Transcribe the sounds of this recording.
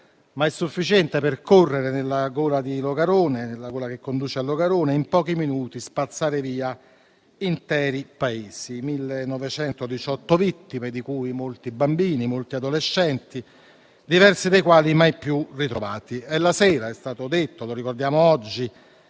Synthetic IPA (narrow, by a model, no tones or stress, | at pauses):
maɛsːufːit͡ʃɛnt̪eperkorːeɾenelːaɡoːlad̪iloɡaɾoːnenelːaɡoːlak̟ekːond̪uːt͡ʃealːoɡaɾoːneimpɔːk̟iminuːt̪ispat̪sːaːɾeviːa | int̪ɛːɾipaeːsimilːenːɔvet͡ʃɛnt̪od̪it͡ʃɔt̪ːovit̪ːimed̪ikuːjmolt̪ibambiːnimolt̪iad̪oleʃːɛnt̪i | d̪ivɛrsid̪ejkwaːlimajpːjurit̪ɾovaːt̪iɛlːasɛːɾaɛst̪aːt̪od̪et̪ːoloɾikord̪jaːmoɔd͡ʒːi